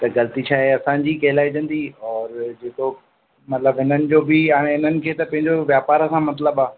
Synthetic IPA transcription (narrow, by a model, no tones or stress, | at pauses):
t̪ɐɡɐlət̪it͡ɕʰaːɦeɐsãːd͡ʑiːkɐɦɪlaːid͡ʑɐ̃nd̪iɔːɾd͡ʑeːko | mɐt̪ləbɦɪnənɪ̆d͡ʑoːbɪaːɽ̃eɦɪn̤ənɪ̆kʰeːt̪ɐpɐ̃ɦɪ̃ɲd͡ʑoʋjaːpaːɾɐsãmɐt̪ləbaː